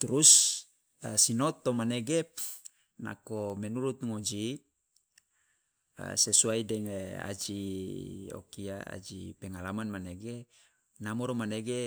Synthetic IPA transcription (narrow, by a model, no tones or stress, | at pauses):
t̪uɾus | asinot̪ːomaneɡe | na̰komɛnuɾut̪̚ŋod͡ʒi | a̰sesuaidɛŋea̰d͡ʒi | o̰kiaa̰d͡ʒipɛŋalamanmaneɡe | namoɾomaneɡe